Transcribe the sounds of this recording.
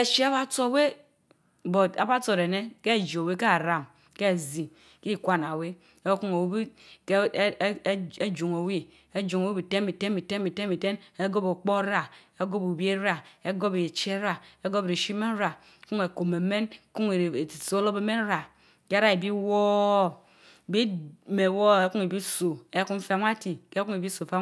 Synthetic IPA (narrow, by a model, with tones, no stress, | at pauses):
e˨ʃe˦a˦βa˦t͡so˦˨we˦ | bo˨a˨ba˦t͡so˨e˨ne˦ke˦˨d͡ʒo˨we˦ka˦˨ɾa˨m | ke˦˨zi˨ | ki˦˨kʷa˦n˨a˨we˦ | e˦ku˦ŋe˨wi˦bi˦ke˦d͡ʒu˨ŋo˨wi˦ | e˦d͡ʒu˨ŋo˨wi˦bi˨te˦nbi˨te˦nbi˨te˦n˦bi˨te˦nbi˨te˦ne˦ɡo˦bo˨k͡po˦ɾa˦e˦ɡo˦bu˨bi˦e˦ɾa˦e˦ɡo˦be˨t͡ʃe˦ɾa˦e˦ɡo˦bɾi˨ʃi˦me˦n˦ɾa˨˦ | ku˦ŋe˨ko˨me˨me˦nku˦ŋ˨so˦lo˦be˨˦me˦n˦ɾa˨ | ke˦a˦ɾa˦e˨bi˦wo˦˨ | bi˦me˨wo˦e˦ku˦ŋe˨bi˦so˨e˦ku˦m̩˦fa˦ma˦ti˨ke˦ku˦ŋe˨bi˦so˨fa˦